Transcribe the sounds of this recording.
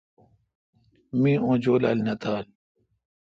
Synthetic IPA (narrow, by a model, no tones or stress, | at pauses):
mĩːõːd͡ʑoːla̰lnɐt̪aːl